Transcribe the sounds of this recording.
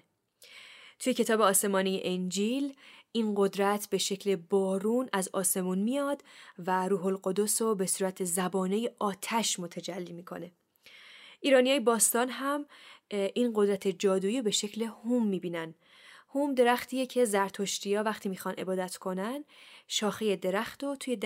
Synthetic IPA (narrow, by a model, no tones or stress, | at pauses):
t̪ʰujecʰe̞t̪ʰɒːbeɒːse̞mɒːnijḛʔend͡ʒilʔinɢo̞d̪ɾæt̪ʰbe̞ʃe̞cʰle̞bɒːɾuːnæzɒːse̞muːnmijɒːd̪̥væɾuːɦolɢo̞d̪o̞sobe̞suːɾæt̪ʰe̞zæbɒːneje̞ʔɒːt̪ʰæʃmot̪ʰæd͡ʒælːiːmiːkʰo̞̰ne̞ | ʔiːɾɒːnijɒːjebɒːst̪ɒːnɦæmʔinɢo̞d̪ɾæt̪ʰe̞d͡ʒɒːd̪uːiːobe̞ʃe̞cʰle̞humːiːbiːnæn | huːmd̪e̞ɾæxt̪ʰiːje̞cʰe̞zæɾt̪ʰoʃt̪ijɒːvæxt̪ʰiːmixɒnʔe̞̰bɒːd̪æt̪ʰkʰo̞nænʃɒːxeje̞d̪e̞ɾæxt̪ot̪ʰuje̞d̪